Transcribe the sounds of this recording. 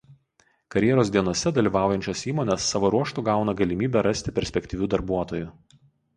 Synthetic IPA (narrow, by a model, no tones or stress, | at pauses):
kɐɾʲjɛɾoːsd̪ʲiɛnɔsʲɛd̪ɐlʲiːʋɑˑʊjɛnʲt͡ʃʲosiːmoɔːnʲɛsːɑʋoːɾuɔʃt̪uˑɡɑˑʊnɐɡɐlʲɪmʲiːbʲɛɾɐsʲt̪ʲɪpʲɛɾʲsʲpʲɛkʲt̪ʲiʋʲuːd̪ɐɾbuɔt̪oːjʊ